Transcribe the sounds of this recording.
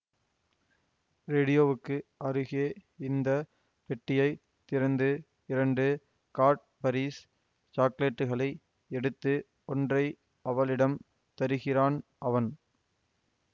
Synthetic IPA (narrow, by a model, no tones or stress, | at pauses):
ɾeːɽɪjoːʋɯkːɯʔɐɾɯɣeːɪnd̪ɐ | pɛʈːɪjɐɪ | t̪ːɪɾɐnd̪ɯ | ɪɾɐɳɖɯ | kaːɾʈ̚ | pɐɾiːs | t͡ʃaːkleːʈːɯɣɐɭɐɪ | ɛɽɯt̪ːɯ | ɔndrɐɪ | ɐʋɐɭɪɽɐm | t̪ɐɾɯɣɪraːnʔɐʋɐn